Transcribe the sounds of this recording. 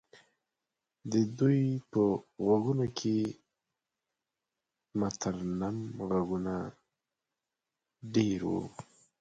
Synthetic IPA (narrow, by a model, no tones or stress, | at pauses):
d̪əd̪ujpəɣaɡunokʰe | mat̪ʰaɾnamɣaɡuna | ɖeɾwṵ